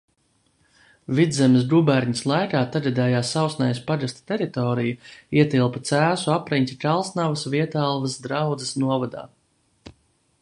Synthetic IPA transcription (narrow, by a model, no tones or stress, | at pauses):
vid̪zɛmɪs̬ɡubæɾɲislˠajkaːt̪aɡad̪ɛːjaːsawsnajspaɡast̪t̪eɾit̪ɔːɾijuiɛt̪ilˠpɐt̪sæːsuapɾiɲt̪ikalˠsnavɐsviɛt̪aːlˠvɐsd̪ɾawd̪zɨsnuɔvad̪a̰ː